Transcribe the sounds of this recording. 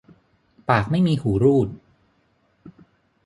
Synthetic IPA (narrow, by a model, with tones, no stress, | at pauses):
paː˨˩k̚ma˥˩jmiː˧huː˩˦ɾuː˥˩t̪̚